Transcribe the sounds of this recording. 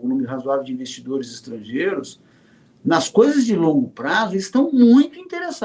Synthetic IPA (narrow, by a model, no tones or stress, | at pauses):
õnũmɪɦazuavewd͡ʒɪĩvest͡ʃid̪oɾɪzɪst̪ɾɐ̃ʒejɾʊs | nɐskojzɐzd͡ʒɪlõŋɡʊpɾazʊɪst̪ɐ̃w̃mũj̃t̪ʊĩt̪eɾesa